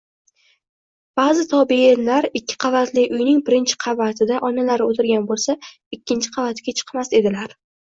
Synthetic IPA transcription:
b̥aːzɪt̪ʰɒbnlaɾɪkʲːɪ̥qʰɑvat̪ʰlɪʔʊjnɪŋbɪɾɪnt͡ʃʰɪ̥qʰɑvat̪ʰɪd̪aʔɒnalaɾɪot̪ʰɪɾɡʲanbolˠsa | ɪkʲːɪnt͡ʃʰɪ̥qʰɑvat̪ʰɡʲat͡ʃʰɨ̥qʰmase̞d̪ɪlaɾ

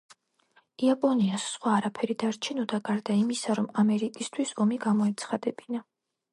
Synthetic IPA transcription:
iapʼɔniasːχwaːɾapʰɛɾid̪aɾt͡ʃʰɛnɔd̪aɡaɾd̪aimisaɾɔmamɛɾikʼist̪ʰwisɔmiɡamɔɛt̪sʰχad̪ɛbina

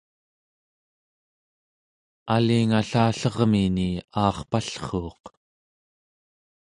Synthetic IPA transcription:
aliŋaɬaːɬʌʁminiɑːχpaɬχoːq

